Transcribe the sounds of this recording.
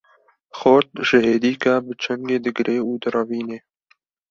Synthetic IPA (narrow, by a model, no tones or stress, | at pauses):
xoɾt̪̚ʒ̥ɪɦeːd̪iːkaːbɨt͡ʃʰɛŋɡeːd̪ɨɡɾʔeːuːd̪ɨrɑviːneː